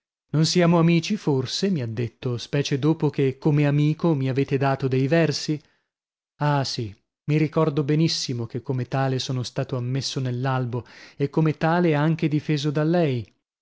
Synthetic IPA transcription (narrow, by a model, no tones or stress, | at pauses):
nonsiaːmoamiːt͡ʃiforsemiad̪ːet̪ːospɛːt͡ʃed̪oːpok̟ekːomeamiːkomiaveːt̪ed̪aːt̪od̪ejvɛrsi | asi | miɾikɔrd̪obenisːimok̟ekːomet̪aːlesoːnost̪aːt̪oamːesːonelːalboekːomet̪aːleaŋk̟ed̪ifeːzod̪alːɛj